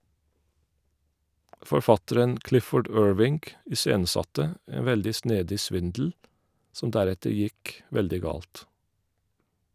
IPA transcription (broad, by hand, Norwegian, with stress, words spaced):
fɔɾˈfɑtəɾən ˈklɪfɔɖ ˈøːɹʋɪŋɡ ɪˈseːnəˌsɑtə ˈeːn ˈʋɛldɪ ˈsneːdɪ ˈsʋɪndl̩ ˈsɔm ˈdæˌɾɛtəɾ ˈjɪk ˈʋɛldɪ ˈɡɑːlt